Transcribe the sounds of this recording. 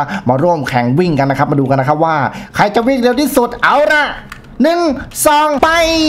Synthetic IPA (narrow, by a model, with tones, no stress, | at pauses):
maː˧ɾuː˥˩əmkʰɛː˩˦ŋwi˥˩ŋka˧nːa˦˥kʰa˦˥p̚maː˧duː˧ka˧nːa˦˥kʰa˦˥p̚waː˥˩kʰa˧˩jt͡ɕa˨˩ʔwi˦˥˩ŋɾe˧wt̪ʰiː˥˩su˨˩t̪̚ʔa˨˦˥wɾa˧˩ʔ | nɯ˨˩ŋsɔː˨˩ŋpa˧j